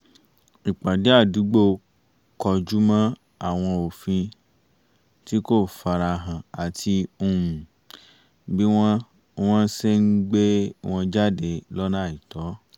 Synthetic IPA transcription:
i˨k͡pa˨de˨˦a˦˨du˨˦ɡ͡bo˦˨ | kɔ˧d͡ʒu˦mã˦ | a˦˨w̃ɔ̃˧o˨fĩ˧ | ti˦ko˦˨fa˧ɾa˧ɦã˨a˨tʰi˧u˧ũ˨ | bĩ˦ | w̃ɔ̃˦se˦n̩˦ɡ͡be˦w̃ɔ̃˧d͡ʒa˦de˧lɔ˦nã˦˨i˨tɔ˨˦

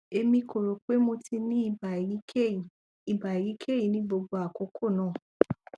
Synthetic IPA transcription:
e˧mĩ˧ko˨ɾo˨k͡pe˦mo˧ti˧nĩ˦˨ba˨i˦i˨ | i˨ba˨i˨ɾi˨˦kʰe˦ji˨nĩ˨˦bo˧ɡ͡bo˧a˨ko˨˦kʰo˦˨nãː˦˨

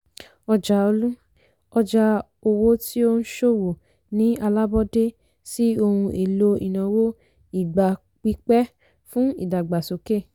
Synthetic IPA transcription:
ɔ˧d͡ʒa˧o˧lũ˦ | ɔ˧d͡ʒa˧ | o˧wo˦ti˦o˦n̩˦ʃo˦˨wo˨ | nĩ˨˦a˧la˦bɔ˦de˦ | si˦o˧hũ˧ʔe˨lo˧ḭ˨nã˨wo˦ | i˨ɡ͡ba˨ | k͡pi˦k͡pɛ˦ | fũ˦ḭ˦˨da˨ɡ͡ba˨so˨ke˦˨

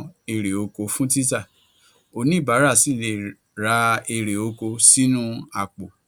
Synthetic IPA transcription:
e˧ɾe˨o˧ko˧fũ˦ti˦ta˦˨ | o˨˧nĩ˦˨ba˨˦ɾa˦˨si˨le˨ | ɾa˧˦e˧ɾe˨o˧ko˧si˦nũ˦a˧˨k͡po˨

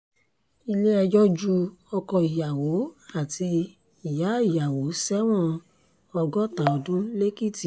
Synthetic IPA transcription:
i˧le˦ɛ˧d͡ʒɔ˦d͡ʒu˦ɔ˧kɔ˧i˨ja˨wo˨˦a˨tʰi˧ | i˨ja˨˦i˨ja˨wo˨˦sɛ˦w̃ɔ̃˦ | ɔ˧ɡɔ˦ta˨ɔ˧dũ˦le˦ki˦˨ti˨

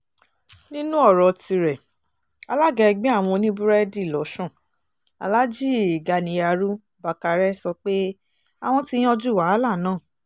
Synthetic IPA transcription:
nĩ˦nũ˦ɔ˦˨ɾɔ˨ti˧ɾɛ˨ | a˧la˦ɡɛ˧ɡ͡bĩ˦a˦˨w̃ɔ̃˧o˧nĩ˦bu˦ɾɛ˦di˦˨lɔ˨˦ʃɔ̃˦˨ | a̰˨la˦d͡ʒi˦˨ɡa˧˨nĩ˨˧ja˨˧ɾu˦ | ba˨ka˨˧ɾɛ˦sɔ˧k͡pe˦ | a˨w̃ɔ̃˧ti˦j̃ɔ̃˦d͡ʒu˦˨wa˨˦la˦˨nãː˦˨

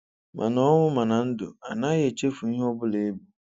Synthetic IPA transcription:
mʔã˨nɔ̃˦wʊ̃˦mã˨nã˨n̩˦dʊ̰˨a˨nã˦jɛ˨t͡ɕe˦fʊ˨ɲĩ˦ɔ˦bʊ˦le˨˦bu˨

